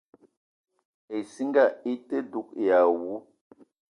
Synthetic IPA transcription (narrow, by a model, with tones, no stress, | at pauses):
e˨si˦ŋɡa˦˨i˦te˦du˨˦k̚ja˨wu˦